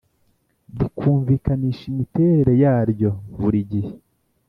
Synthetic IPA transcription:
dikʰuːɱviːkaniːʃimite̞ːɾe̞ɾe̞jaːɾɟo̞βuɾiɟihe

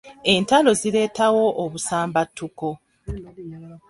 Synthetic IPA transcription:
e̞ntalo̞zile̞ːtawo̞ʔːβusaːmbatʰːuko̞

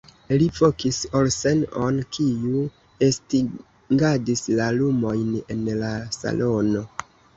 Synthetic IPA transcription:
lifokisolsenonkʰiu | esti | ŋɡadislalumo̞jne̞nlasa̰lʔo̞no̞

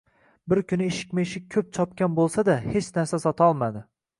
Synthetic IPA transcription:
bɪɾkʲʰʊnɪeʃɪ̥kʲmeʃɪk̚ʲkʰɵp̚t͡ʃʰɒp̚kʲanbolˠsad̪ahet͡ʃnaɾsasɒt̪ʰɒlˠmad̪ɪ

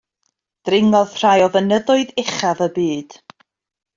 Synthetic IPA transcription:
d̥rɪŋɔðʰr̥ajɔvənəðʊɨðɪχavəbiːd̥

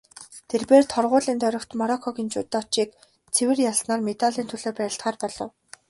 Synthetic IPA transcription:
t̪ʰerpeːrt̪ʰɔrʁʊːɮiːnt̪ʰœɾʲɞ̆kt̪mɔɾɔkʰːɔkint͡ɕuːt̪ːaːt͡ɕiːk | t͡sʰewɘ̆rjaɮsnaːrmet̪aɮiːnt̪ʰɵɮoːpæɾʲɪ̆ɬt̪χaːrpɔɮɞ̰̆w

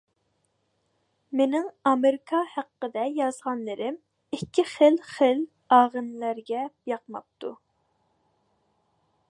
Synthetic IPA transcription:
menɪŋɑmeɾɪkʰɑhæqːəd̪ɛjɑzʁɑnlɨɾɪm | ɪkʲːɪχəlχɪl | ɑːʁənlæɾɡʲɛjɑq̚mɑ̰p̚t̪ʰu

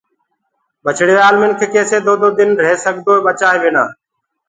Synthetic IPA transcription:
ɓət͡ʃʰɽɪːʋaːlmɪnkʰeːkeːseːd̪ʱoːd̪oːd̪ɪnɾeːsəɡd̪oːeːɓət͡ʃaːẽːʋeːna̰ː

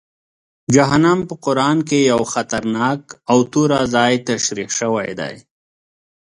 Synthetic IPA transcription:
d͡ʒaɦanampəqʊɾɑnkejawxat̪aɾnɑkawt̪uɾazɑjt̪aʃɾiqʃəwajd̪a̰j

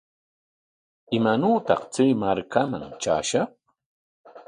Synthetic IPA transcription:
ɪmanuːt̪ɑ̰χt͡sijmaɾkama̰ŋt͡ʃa̰ːʃɑh

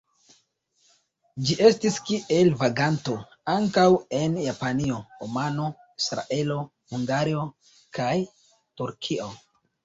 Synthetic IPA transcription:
d͡ʒiʔe̞stiskiʔe̞lvaɡanto̞ | aŋkawe̞njapanio̞omano̞ | isɾa̰ʔe̞lo̞ | huŋɡaɾio̞ | kaj | tuɾkʰio̞

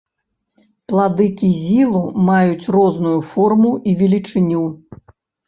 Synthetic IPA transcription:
plˠad̪ɨkʲizʲilˠumajut͡sʲrɔznujufɔrmuʔivʲɛlʲit͡ʂɨnʲu

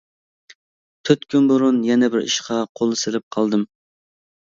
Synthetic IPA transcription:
t̪ʰøt̪kʲʰynboɾʊnjɛnɛbɪɾḭʃqʰɑqʰolˠɨsɪlɪp̚qʰɑlˠd̪ɨm

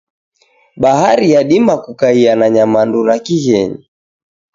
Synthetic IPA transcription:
ɓaɦaɾijaɗimakukaianaɲamanduɾakihɛɲi

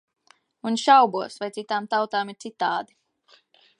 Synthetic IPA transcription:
unʃawbuɔsvajt̪it̪aːmt̪awt̪aːmiɾt̪sit̪aːd̪i

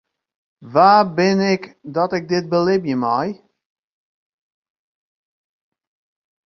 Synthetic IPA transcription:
vaːbɪnɛkdɔtɪk̚dɪt̚bəlɪbjəmaj

